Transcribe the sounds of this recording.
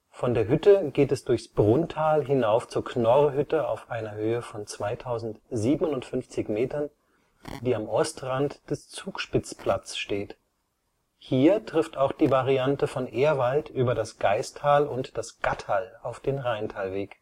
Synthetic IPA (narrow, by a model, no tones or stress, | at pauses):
fɔndeːɐɦʏtəɡeːtɛsd̥ʊɐçsb̥ʁʊntʰaːlɦɪnaʊft͡suːɐknɔʁɦʏtəa̰ʊfʔaɪnɐhøːəfɔnt͡sv̥aɪtʰaʊzn̩tziːbn̩ʊnʊntfʏnft͡sɪçmeːtɐn | d̥iːamʔɔstʁantd̥ɛst͡suːkʃpɪt͡spʰl̥at͡sʃteːt | hiːɐtʁ̥ɪftaʊxd̥iːvaʁiantəfɔnʔeːɐvaltʔyːbɐdasɡ̥aɪstʰaːlʊntd̥asɡ̥atʰaːlaʊfd̥eːnʁaɪntʰaːlveːk